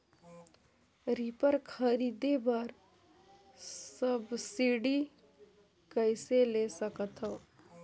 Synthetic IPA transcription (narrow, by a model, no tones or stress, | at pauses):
ɾipəɾkʰəɾiːd̪ebəɾ | səbsiːɽi | kəɪselesəkət̪ɦoː